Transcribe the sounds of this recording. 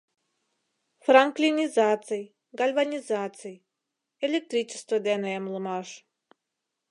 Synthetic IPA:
fɾaŋklʲinʲizat̪sɨj | ɡalʲvanʲizat̪sɨj | elʲek̚t̪ɾʲit͡ɕɪ̥st̪vəd̪ɛnɛmlˠɨmaʂ

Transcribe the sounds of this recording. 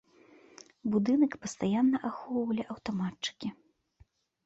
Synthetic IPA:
bud̪ɨnɐkpɐst̪ajanːɐʔaxɔwvɐlʲiʔɐwt̪ɔmatt͡ʂɨ̥kʲi

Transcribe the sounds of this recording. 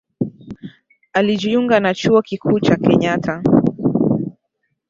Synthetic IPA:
aliʄiuŋɡanat͡ʃuɔkikʰuːt͡ʃakɛɲatʰa

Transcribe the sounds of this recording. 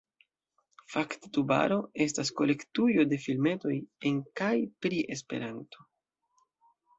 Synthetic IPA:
fakte̥tuba̰ɾo̞e̞s̬tasko̞le̞ktujo̞de̞filme̞to̞je̞nkajpɾiʔe̞spe̞̰ɾanto̞̥

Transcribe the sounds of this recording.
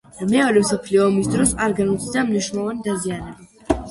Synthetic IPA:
mɛɔɾɛmsɔpʰliɔːmisd̪ɾɔsaɾɡanut̪sʰd̪amniʃɾunlˠɔvanid̪azianɛba

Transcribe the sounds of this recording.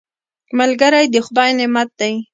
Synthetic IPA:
malɡaɾajd̪əxʊd̪ɑjnɪmat̪̚d̪aj

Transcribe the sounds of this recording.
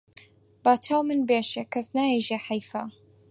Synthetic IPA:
baːt͡ʃʰaːwmɨnbeːʃekʰɐsnaːiʒeħajfa

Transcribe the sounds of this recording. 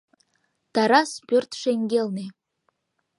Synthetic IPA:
t̪ɑɾaspʲørt̪ʂeŋɡʲelne

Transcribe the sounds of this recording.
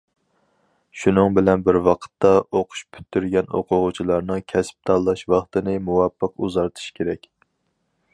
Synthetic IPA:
ʃunɨŋbɪlɛnbɪɾwɑqʰə̥t̪ʰːɑʔoqʰʊ̥ʃpʰy̥t̪ʰːyɾɡʲɛno̰qʰʊʁʊt͡ʃʰilˠɑɾnɨŋkʲʰɛsp̚t̪ʰɑlˠːɑʃwɑχt̪ɨnɨmuwɑpʰːəquzɑɾt̪ʰu̥ʃkʲeɾɛkʲ

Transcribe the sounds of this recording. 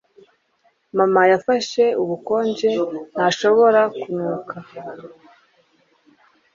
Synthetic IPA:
mamajafaʃe̞uβuko̞ːɲɟe̞n̥haʃo̞βo̞ɾakunukʰa

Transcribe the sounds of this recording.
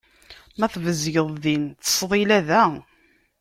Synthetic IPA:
mæθvəzʝəðˤðint̪ə̥sˤðˤilæðæ

